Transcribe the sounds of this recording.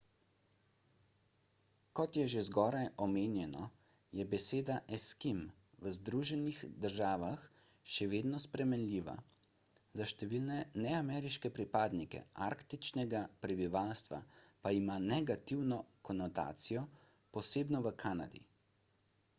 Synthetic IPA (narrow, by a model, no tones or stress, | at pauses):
kɔt̪jɛʒezɡɔːɾajɔmeːnjɛnɔ | jɛbɛseːd̪aʔɛskim | ʋəzd̪ɾuːʒɛnixd̪əɾʒaːʋax | ʃɛʋeːd̪nɔspɾɛmɛnlʲiːʋa̰ | zaʃt̪ɛʋiːlnɛnɛamɛːɾiʃkɛpɾipaːd̪nikɛ̰aɾkt̪it͡ʃnɛɡapɾɛbiʋalst̪ʋa̰paimanɛɡat̪iwnɔkɔnɔt̪a̰ːt̪sijɔ | pɔseːbnɔʋəkʰaːna̰d̪ḭ